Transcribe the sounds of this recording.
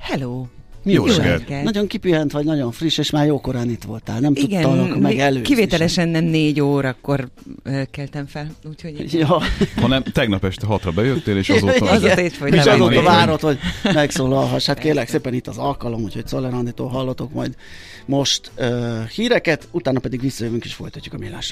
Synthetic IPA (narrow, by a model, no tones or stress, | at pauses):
hɛloː | mijo̰ɛɛnɒɟo̞ŋkipyɛnt̪ʋɒɟnɒɟo̞ɱfriʃeːʃmaːrjoːko̞ɾaːnit̪ʋo̞lt̪aːlnɛmt̪uɡ̪ɒnkmɛɡɛløːkiveːt̪ɛlɛʃɛnːɛmneːɟoːɾɒkːo̞røːkɛlt̪ɛɱfɛluːchojɒhɒnɛmt̪ɛɡnɒpɛʃt̪ɛɦɒt̪rɒbɛjøt̪ːeːleːʃzzefoeːʃɒoːt̪ːɒvaːɾo̞t̪ho̞ɟmɛksoːlɒlɦɒʃhat̪keːrlɛkseːpɛnit̪ːɒzɒlkɒlo̞mucʰho̞csolɛɾɒnːit̪o̰ːɦɒlːot̪o̞kmɒjd̪ | mo̞ʃt̪øːhiːɾɛkɛt̪ut̪aːnɒpɛd̪iɡʋisːɒjøvyŋkiʃfo̞jt̪ɒcːu̥kɒmilːa̰ːʃ